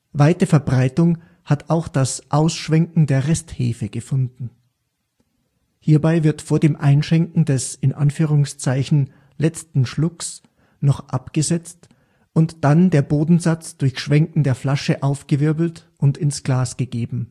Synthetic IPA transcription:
vaɪtəfɛɐbʁaɪtʊŋ | hataʊxd̥asʔaʊsʃv̥ɛŋkŋ̩deːɐʁɛsthḛːfəɡ̥əfʊndn̩ | hiːɐbaɪvɪɐtfoːɐdeːmʔaɪnʃɛŋkŋ̩dɛsɪnʔa̰nfyːʁ̞ʊŋst͡saɪçn̩ | lɛt͡stn̩ʃlʊks | nɔχʔapɡ̥əzɛt͡st | ʔʊntd̥andeːɐboːdn̩zat͡sd̥ʊɐçʃv̥ɛŋkŋ̩deːɐflaʃəʔaʊfɡ̥əvɪɐbl̩t | ʔʊntɪnsɡ̥laːsɡ̥əɡeːbm̩

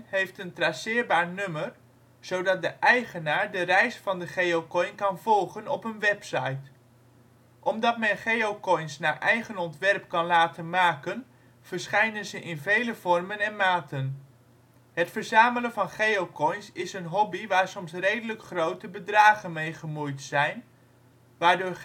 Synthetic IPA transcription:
ɦejftəntrasɪːɹbaːɹnøməɹ | z̥owdɑt̚dəʔɛjχənaːɹdərɛjsfɑndəχejokɔjnkɑnvɔlˠχənɔpənʋɛpsɑjt | ʔɔmdɑtmɛnχejowkɔjnsnaːɹʔɛjχənɔntʋɛrp̚kɑnlaːtənmaːkən | v̥əɹsχɛjnənzəʔɪnvejləv̥ɔrmənɛnmaːtən | ɦətfəɹzaːmələnvɑnχejowkɔjnsɪsənɦɔbiʋaːɹsɔmsrejdələkχrowtəbədraːχənmejχəmujtsɛjn | ʋaːɹdʊːɹ

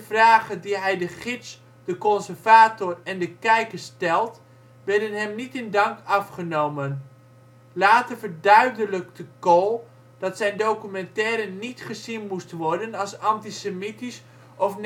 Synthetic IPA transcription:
vraːχədiɦɛjdəχɪts | d̥əkɔnsərvaːtʊrɛndəkɛjkəɹstɛlˠt | ʋɛrdənɦɛmnitɪndɑŋkɑfχənowmən | laːtərvərdœɥdələk̚təkolˠ | d̥ɑtsɛjndowkymɛntɛːɾənitχəzinmustʋɔɹdənɑlˠsɑntisəmitis | ɔfn

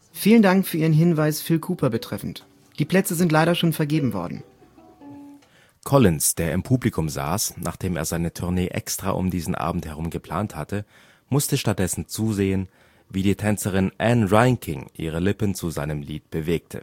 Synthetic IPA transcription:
fiːləndaŋkfyːɐiːʁənɦɪnvaɪsfɪlkʰuːpʰɐbətʁ̥ɛfn̩t | d̥iːpl̥ɛt͡səzɪnt̬laɪɾɐʃoːnfɛɐɡeːbm̩vɔ̰ɐdn̩ | kʰɔlɪnsd̥eːɐɪmpʰuːblikʰʊmza̰ːsnʔa̰ːχd̥eːmeːɐzaɪnətʰʊɐneːʔɛ̰kstʁ̥a̰ːʔʊ̰mdiːzn̩ʔa̰ːbm̩thɛʁ̞ʊmɡəpl̥a̰ːnthatə | mʊstəʃtat̚d̥ɛsn̩t͡suːzeːən | viːdiːtʰɛnt͡səʁɪnʔɛnʁaɪŋkʰɪŋʔḭːʁ̞əlɪpənt͡suzaɪnəmliːt̚b̥əveːk̚tʰə̰

